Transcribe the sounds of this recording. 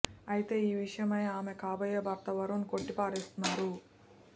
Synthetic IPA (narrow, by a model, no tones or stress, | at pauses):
ɐjit̪e̞ːiːʋiʂɐjɐmɐjaːmekaːbɐjebʱɐɾt̪ɐʋɐɾunko̞ʈːipaːɾeːst̪unːaːɾu